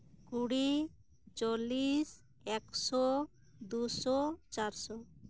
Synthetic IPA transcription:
kuɽi | t͡ʃolis | ɛksɔ | d̪usɔt͡ʃaɾsɔ

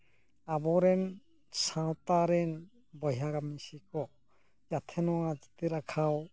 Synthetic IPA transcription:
abɔɾɛn | sãwtaɾɛn | bɔjaɡamisikʰɔ | jat̪ʰɛnɔad͡ʒit̪iɾakʰaw

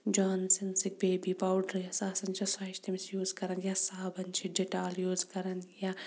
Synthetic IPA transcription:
d͡ʒaːnsinsik̚beːbipaːwɖɾjasaːsɐnt͡ʃʰɐsaʃt̪ʰimisjuːzkɐɾɐnjasaːbɐnt͡ʃʰiɖeʈaːljuːzkɐɾɐnja

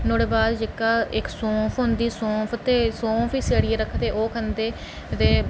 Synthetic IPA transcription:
noːɽeːbaːd̪d͡ʒekːaːɪksõːpʰɦond̪iːsõːpʰət̪eːsõːpʰiːseːɽieːɾəkʰːt̪eːʔoːkʰənd̪eː | t̪eː

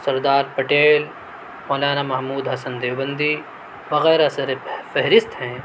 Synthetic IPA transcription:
sɐɾd̪aːɾpɐʈeːl | mɔːlaːnamɐɦmuːd̪ɦɐsɐnd̪eːʋbɐ̃nd̪i | ʋɐɣɛːɾɐsɐɾefɛɦɾɪst̪ɦɛ̃ː

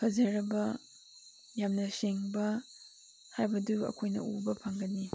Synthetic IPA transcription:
hʰɐzɐɾɐbɐ | jamnɐseŋbɐ | hajbɐduɐ̰kʰojnɐ̰ubɐpʰaŋɡɐni

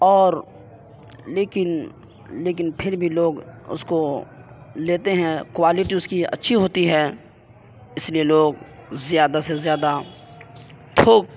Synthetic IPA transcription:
ɔːɾ | leːkɪn | leːk̬ɪnpʰɪɾbʱiloːɡʊ̰sko | leːt̪eɦɛ̃kwaːlɪʈiʊskiɐ̰tːʃʰiɦoːt̪iɦɛː | ɪslieloːɡ̚zjaːd̪asezjaːd̪a | t̪ʰoːk̚

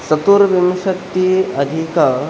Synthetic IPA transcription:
sɐt̪uɾʋimʃɐt̪ːiɐd̪ʱikɐ

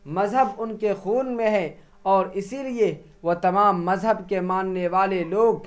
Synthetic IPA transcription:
mɐzɦəbʊnkexuːnmẽɦɛ̃ | ɔːɾɪsilie | ʋot̪ɐmaːmːɐzɦəbkemaːnːeʋaːleloːɡ̚

